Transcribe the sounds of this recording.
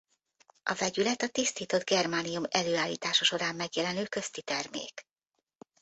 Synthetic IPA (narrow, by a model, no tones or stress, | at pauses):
ʔɒvɛɟylɛt̪ɒt̪ist̪iːt̪o̞d̪ɡɛrmaːnijumɛløːaːlːḭːt̪aːʃoʃo̞ɾaːmːɛɡjɛlɛnøːkø̞st̪it̪ɛrmḛːk